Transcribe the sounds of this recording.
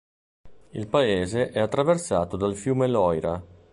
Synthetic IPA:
ilpaeːzeʔɛat̪ːɾaversaːt̪od̪alfjuːmelɔjɾa

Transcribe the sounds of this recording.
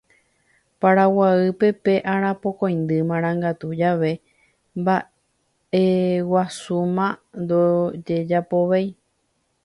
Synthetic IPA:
paɾawaɨpe̞pe̞ʔaɾ̃ãpo̞kõj̃nd̪ɨmãɾ̃ãŋɡat̪ud͡ʒaʋe̞ | mba | e̞wasumãnd̪od͡ʒe̞d͡ʒapoʋaj

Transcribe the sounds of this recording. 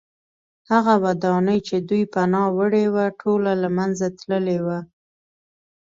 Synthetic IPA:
haɣawad̪ɑnəjt͡ʃed̪ujpanɑwəɽewaʈʰolalamanzat̪ləlewa

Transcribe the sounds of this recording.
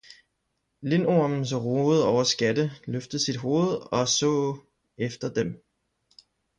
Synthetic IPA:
le̝noɐmn̩s̬ʁoð̩ˠɒʊɐsɡ̥æd̥əløfd̥ð̩ˠsid̥ɦo̝ːð̞̩ˠɒ̽sɔ̰̽ː | efd̥ɐd̥em

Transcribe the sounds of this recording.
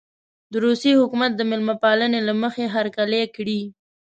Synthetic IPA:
d̪əɾusihʊkumat̪̚d̪əmɪlmapɑlənelaməxeɦaɾkalekɽi

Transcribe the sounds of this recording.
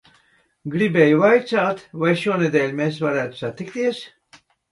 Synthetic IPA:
ɡɾibɛːjuvajt͡saːt̪vajʃuɔnɛd̪ɛːlʲmeːsvaɾæːt̪u̥sat̪ːikt̪iɛs

